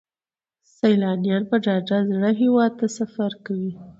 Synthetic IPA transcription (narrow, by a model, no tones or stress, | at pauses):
sajlɑnjɑnpəɖɑd͡ʒazɽaɦewɑd̪̚t̪asafaɾkawi